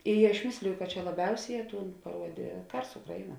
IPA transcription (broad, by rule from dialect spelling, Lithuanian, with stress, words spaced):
ɪ ɐʃ ˈmʲɪsʲlʲɪjʊ kɐ t͡ʃʲɛ lˠɐˈbʲɛʊsʲeːˌjɛː ˈtuːn pɐˈruɔdʲeː ˈkɐrs ˈʊkrɐɪˌnuɔ